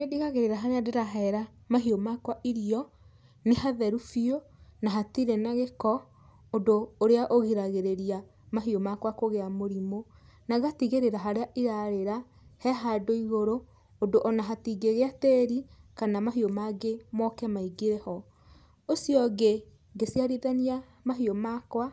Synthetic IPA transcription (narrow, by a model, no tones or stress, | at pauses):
ediɣaɣeɾeɾaɦaɾeadeɾaɦɛɾamaɦiomakwaʔiɾiɔ | nehaðɛɾufionaɦatiɾɛnaɣekɔ | odoːɾeaʔoɣiɾaɣeɾeɾia | maɦiomakwakoɣeamoɾimonaɣatiɣeɾeɾaɦaɾeaʔiɾaɾeɾa | hɛɦadoiɣoɾoː | doʔɔnaɦatiɡeɣeateːɾikanamaɦiomaɡemɔkɛmaiɡeɾɛhɔ | osjɔɡe | ɡesiaɾiðania | maɦiomakwa